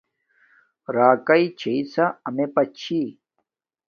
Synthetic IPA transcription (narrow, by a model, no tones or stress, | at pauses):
ɾaːkɐit͡ɕʰeisaɐmepɐt͡ɕʰi